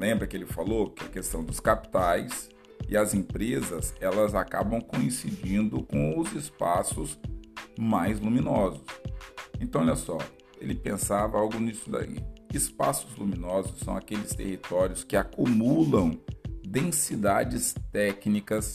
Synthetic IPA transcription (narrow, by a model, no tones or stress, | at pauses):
lẽmbɾɐkɪelɪfalokɪɐkest̪ɐ̃w̃d̪ʊskapi̥t̪ajs | ɪ̰ɐzẽpɾezɐzɛlɐzaka̰bɐ̃w̃kõĩsid͡ʒĩnd̪ʊkõʊzɪspasʊz | majzlumĩnɔzʊsẽt̪ɐ̃w̃ɔlɐsɔ̰ | elɪpẽsavɐawɡʊnisʊd̪a̰ḭɪspa̰sʊzlumĩnɔzʊsːɐ̃w̃akelɪst̪ḛhit̪ɔɾiʊskɪakumulɐ̃w̃d̪ẽsid̪ad͡ʒɪst̪ɛknikɐs